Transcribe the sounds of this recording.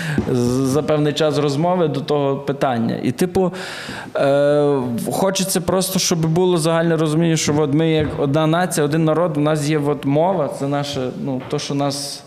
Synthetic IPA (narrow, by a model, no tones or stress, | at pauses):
zɐpɛwnɪjt͡ʃɑsrɔzmɔʋɪd̪ɔt̪ɔɦɔpɪt̪ɑnʲːɐ̰ʔḭt̪ɪpʊ | xɔt͡ʃɪt͡sʲːɐpɾɔst̪ɔʃt͡ʃɔbɪbulˠɔzɐɦɑlʲnɛɾɔzʊmʲinʲːɐʃt͡ʃɔʋɔt̪mɪjɐkɔd̪̚nɑnɑt͡sʲijɐɔd̪ɪnːɐɾɔd̪wnɑs̬jɛʋɔt̪mɔʋɐt̪sɛnɑʃɛnut̪ɔʃt͡ʃɔnɑs